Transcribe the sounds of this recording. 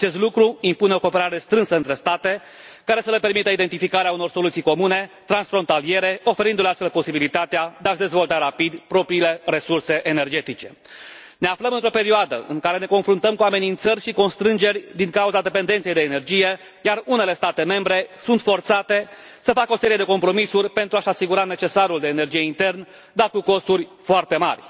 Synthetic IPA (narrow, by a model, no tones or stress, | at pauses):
at͡ʃe̞st̪lukɾuimpuneo̞ko̞peɾaɾe̞st̪ɾɨnsəɨnt̪ɾe̞st̪at̪e̞ | kaɾe̞səle̞pe̞rmit̪əid̪ent̪ifikaɾeauno̞rso̞lut̪sijko̞mune̞t̪ɾansfɾo̞nt̪alije̞ɾe̞o̞fe̞ɾind̪uleast̪felpo̞sibilit̪at̪ead̪eaʒd̪e̞zvo̞lt̪aɾapid̪pɾo̞pɾiːle̞re̞surse̞ʔene̞rd͡ʒe̞t̪it͡ʃe̞ | ne̞afləmɨnt̪ɾo̞pe̞ɾioad̪ə̰ʔɨŋkaɾe̞ne̞ko̞nfɾunt̪əmkuame̞nint̪sərʲʃiko̞nst̪ɾɨnd͡ʒe̞rʲd̪iŋkauzad̪e̞pe̞nd̪ent̪sijejd̪eːne̞rd͡ʒije̞ | jarune̞le̞st̪at̪e̞me̞mbɾe̞sunt̪fo̞rt̪sat̪e̞ | səfakəo̞se̞ɾije̞d̪e̞ko̞mpɾo̞misurʲpe̞nt̪ɾuaʃasiɡuɾane̞t͡ʃe̞saɾuld̪e̞ːne̞rd͡ʒije̞int̪e̞rn | d̪arkuko̞st̪urʲfoart̪e̞ma̰rʲ